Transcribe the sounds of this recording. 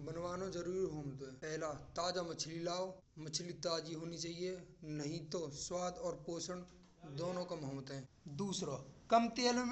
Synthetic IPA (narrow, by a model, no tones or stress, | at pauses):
bənwaːnõd͡ʒɐɾuːɾiɦoːmt̪ɦɛ̃ːpɛɦlat̪aːd͡ʒamət͡ʃʰlilaːw | mət͡ʃʰlit̪aːd͡ʒiɦoːnit͡ʃaːɦienɐɦĩt̪oswaːd̪ɔːɾpoːsəɳ | d̪oːnõkɐmɦomət̪ɦɛ̃ː | d̪uːsɾokɐmt̪eːl